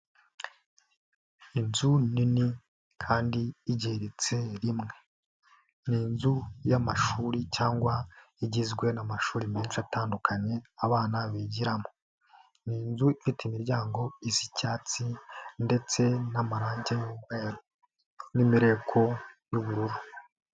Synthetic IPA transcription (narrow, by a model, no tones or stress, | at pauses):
inzunini | kʰaːndiːɟeɾet͡se̞ɾimŋe̞ | niːnzujamaʃuːɾicaːŋɡwa | iɟizɡwe̞namaʃuːɾimeːnʃataːndukʰaɲe̞aβaːnaβiːɟiɾamo | niːnzuifiteimiɾɟaːŋɡo̞izicaːt͡sinde̞t͡se̞namaɾaːɲɟejuːɡweːɾo | nimiɾe̞ːkʰo̞juβuɾuɾu